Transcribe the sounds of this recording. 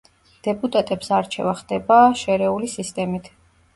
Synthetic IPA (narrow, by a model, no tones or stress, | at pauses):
d̪̥ɛpʼut̪ʼat̪ʼɛpsaɾt͡ʃʰɛvaχd̪̥ɛbaʃɛɾɛulisist̪ʼɛmit̪ʰ